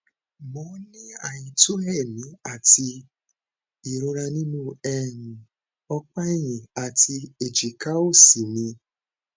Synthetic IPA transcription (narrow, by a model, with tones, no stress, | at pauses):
mɔ̃˨˦nĩ˦a˨jĩ˨to˦ɦɛ˦˨mĩ˨˦a˦˨ti˧ | i˨ɾo˧ɾa˧nĩ˦nũ˦ɛ˨nũ˨ | ɔ˧k͡pa˦e˦˨j̃ĩ˨a˨tʰi˧e˨d͡ʒi˨ka˦o˦˨si˨nĩ˧